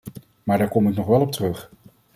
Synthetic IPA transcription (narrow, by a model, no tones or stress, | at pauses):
maːɹdaːɹkɔmɪknɔχʋɛlˠɔp̚tərɵχ